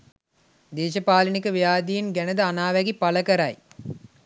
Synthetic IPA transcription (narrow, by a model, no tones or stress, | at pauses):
d̪eːʃɐpaːlinikəʋijaːd̪ijinɡænəd̪əanaːʋæɡipaləkɐɾaj